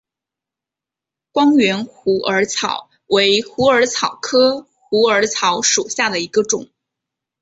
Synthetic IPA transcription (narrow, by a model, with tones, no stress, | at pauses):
kwɑ˥ŋɥɛ˧˥nxu˧˥ʔə˞˧˥t͡sʰɑ˨˩˦ʊ | we˧˥ɪxu˧˥ə˞˧˥t͡sʰɑ˨˩ʊkʰɤ˥ | xu˧˥ə˞˧˥t͡sʰɑ˧˥ʊʂu˨˩ɕja˥˩d̪ə˩i˧˥ɡə˧ʈ͡ʂʊ˨˩˦ŋ